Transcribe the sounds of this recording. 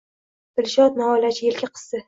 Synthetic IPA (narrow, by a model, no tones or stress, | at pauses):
d̪̥ɪlʃɒt̪̚naɒjlat͡ʃʰɪjelkʲɪqʰɨ̥sːɪ